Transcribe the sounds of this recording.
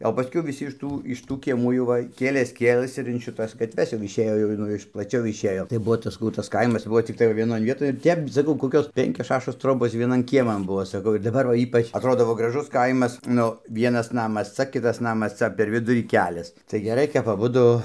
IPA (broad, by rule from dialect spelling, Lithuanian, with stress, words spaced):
oː pɐˈsʲkʲɛʊ ʋʲɪˈsʲɪ ɪʃ ˈtuː ɪʃ ˈtuː kʲiɛˈmuː jɛʊ ˈʋɐ ˈkʲeːlʲeːs ˈkʲeːlˠɘs ɪr ɪn ʃʲɪˈtɐs ɡɐtʲˈʋʲɛs jɛʊ ɪʃʲˈeːjoː jɛʊ ˈnʊ ɪʃ plˠɐˈt͡ʃʲɛʊ ɪʃʲˈeːjoː tɐɪ ˈbuɔ sɐˈkɐʊ ˈtɐs ˈkɐɪmɐs ˈbuɔ t͡sʲɪkˈtɐɪ ʋɐ ʋʲiɛˈnoːn ʋʲiɛˈtoːj ˈtʲɛp sɐˈkɐʊ koːˈkʲoːs ˈpʲɛŋʲkʲoːs ˈʃɑːʃoːs ˈtroːboːs ʋʲiɛˈnɐn ˈkʲiɛmɐn ˈbuɔ sɐˈkɐʊ ɪr dɐˈbɐr ʋɐ ˈiːpɐt͡ʃ ɐtˈroːdoː ʋɐ ɡrɐˈʒʊs ˈkɐɪmɐs ˈnʊ ˈʋʲiɛnɐs ˈnɑːmɐs ˈt͡sɐ ˈkʲɪtɐs ˈnɑːmɐs ˈt͡sɐ pʲɛr ˈʋʲɪdʊrʲiː ˈkʲæːlʲɛs tɐɪ ɡʲɛˈrɐɪ kɐp ɐˈbʊdʊ